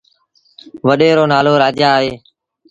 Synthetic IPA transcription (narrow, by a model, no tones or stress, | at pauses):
ʋəɗeːɾoːnaːloːɾaːd͡ʒjaːɦeː